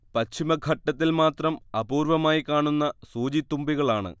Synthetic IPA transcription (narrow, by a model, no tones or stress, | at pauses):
pɐɕʰimɐɡʱɐʈːɐt̪̬ːilmaːt̪rɐmɐbuːɾʋɐmaːjikːaːɳunːɐsuːd͡ʑit̪ːumbiɣɐɭaːɳɨ̰